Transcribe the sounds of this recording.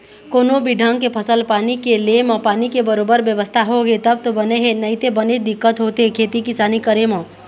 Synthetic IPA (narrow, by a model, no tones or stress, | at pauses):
koːnobiɖʱãŋkepʰəsəlpaːnikelemə̃paːnikebəɾoːbəɾbjəʋəst̪ʰaɦoɡet̪əb̚t̪obəneɦenəit̪ebəned̪ɪkːət̪ɦoːt̪eɦekʰeːt̪ikɪsaːnikəɾemə̃